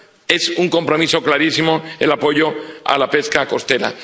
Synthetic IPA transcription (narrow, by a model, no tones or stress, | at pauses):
e̞suŋko̞mpɾo̞miso̞klaɾisimoelapo̞ʝoa̰lape̞skako̞st̪e̞ɾa̰